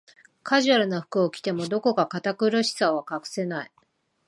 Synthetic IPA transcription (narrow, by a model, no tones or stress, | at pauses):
kʰaʑɨaɾɯ̟noɸɯ̟̥kɯ̟okʲi̥t̪e̞mo̞d̪o̞ko̞kakat̪akɯ̟ɾoɕi̥saβakakɯ̟̥se̞nai